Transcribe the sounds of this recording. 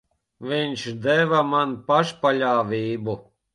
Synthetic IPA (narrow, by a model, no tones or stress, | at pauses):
viɲʃd̪ɛvamanpaʃpaʎʲaːviːbu